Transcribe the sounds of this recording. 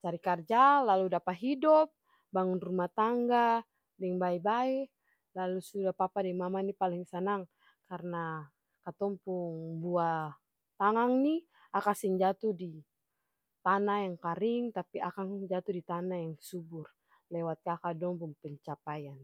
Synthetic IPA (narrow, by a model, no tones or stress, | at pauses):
t͡ʃaɾikard͡ʒalaludapaɦidɔp̚ | baŋunrumat̪aŋɡa | dɛŋbaɛbaɛ | lalusudahpapadɛŋmamanipaliŋsənaŋ | karna | kat̪ɔmpuŋbua | t̪aŋaŋni | akasiŋd͡ʒat̪udi | t̪anajaŋkaɾiŋt̪apiakaŋd͡ʒat̪udit̪anajaŋsubur | lɛwat̪̚kakadɔmpuŋpɛɲt͡ʃapajan